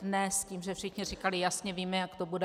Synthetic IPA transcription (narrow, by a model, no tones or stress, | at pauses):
nɛsciːmʒɛfʃɪxɲɪrikalɪjasɲɛviːmɛjakt̪obudɛ